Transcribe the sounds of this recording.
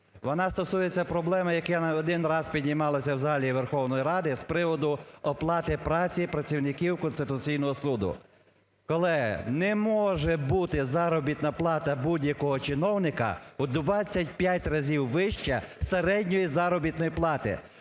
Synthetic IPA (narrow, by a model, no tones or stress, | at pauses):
ʋɔnɑst̪ɔsujet͡sʲːɐpɾɔblˠɛmɐjɐkɛnɔd̪ɪnrɑspʲid̪ʲnʲimɑlˠɐsʲɐwzɐɦɑlʲiʋerxɔwnɔjiɾɑd̪ɪspɾɪʋɔd̪ʊɔplˠɑt̪ɪpɾɑt͡sʲipɾɐt͡sʲiwnɪkʲiwkɔnst̪ɪt̪ʊt͡sʲijnɔɦɔsud̪ʊ̰ | kɔlˠɪnɛmɔʒɛbut̪ɪzɑɾɔbʲit̪nɐplˠɑt̪ɐbudʲjɐkɔɦɔt͡ʃɪnɔwnɪkɐ̰ʊd̪ʋɑt͡sʲːɐt̚ʲpʲjatʲrɐzʲiwʋɪʃt͡ʃɛseɾɛdʲnʲɔjizɑɾɔbʲit̪nɔjiplˠɑt̪ɪ̰